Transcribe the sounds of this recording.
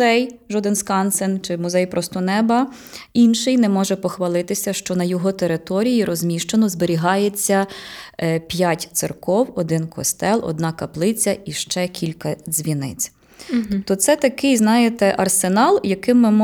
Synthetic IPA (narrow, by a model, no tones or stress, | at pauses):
ɛjʒɔd̪ɪnskɑnsent͡ʃɪmʊzɛjpɾɔst̪ɔnɛbɐ | inʃɪjnɛmɔʒɛpɔxʋɐlˠɪt̪ɪsʲɐʃt͡ʃɔnɐjɔɦɔt̪eɾɪt̪ɔɾʲijiɾɔzmʲiʃt͡ʃenɔzbeɾʲiɦɑjet͡sʲːɐ | pʲjatʲt̪sɪrkɔwɔ̰d̪ɪnkɔ̰st̪ɛlˠʔɔ̰d̪nɑkɐplˠɪt͡sʲɐiʃt͡ʃɛkʲilʲkɐzʲʋʲinɪ̰t͡sʲ | t̪ɔt̪sɛt̪ɐkɪjznɑjet̪ɛʔɐrsenɑlˠjɐkɪmːɪmɔ